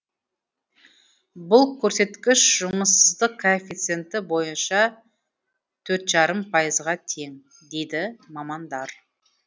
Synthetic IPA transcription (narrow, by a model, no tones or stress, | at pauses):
bʊlˠkʲʰɵɾse̞t̪kʲɪʃʒʊməsəzd̪əqkʰːoefʲit̪sɨe̞nt̪ɪbo̞jənʃɑ | t̪ʰɵɾt̪ʒɑɾəmpʰɑjəzʁɑt̪ʰe̞ŋ | d̪e̞jd̪ɪmɑmɑnd̪ɑɾ